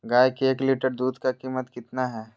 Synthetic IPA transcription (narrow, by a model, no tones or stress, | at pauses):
ɡaːjkeːkliːʈəɾd̪uːd̪ʱkakiːmət̪kɪt̪naɦɛː